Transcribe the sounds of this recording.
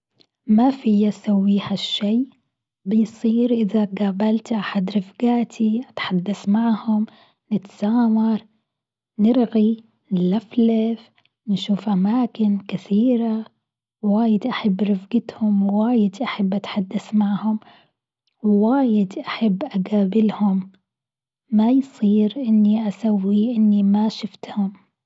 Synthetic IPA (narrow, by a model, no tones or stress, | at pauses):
mafijːasawːiːhaʃːajː | bɪjsˤiːɾʔɪðaɡaːbalt̪ʔaħad̪ɾɪfɡaːt̪ʰiʔat̪ħad̪ːasmaʕhʊm | nɪt̪saːmɑɾˤ | nɪɾɣi | ɪlːaflaf | nʃuːfʔamaːkɪnkɪθiːɾa | waːjɪd̪ʔaħabːɾˤɪfɡɪt̪hʊmwwaːjɪd̪ʔaħabːʔat̪ħad̪ːasmaʕhʊm | wwaːjɪd̪ʔaħabːʔaɡaːbɪlhʊm | ajsˤiːɾʔɪnːiʔasawːiʔɪnːimaʃɪft̪hʊm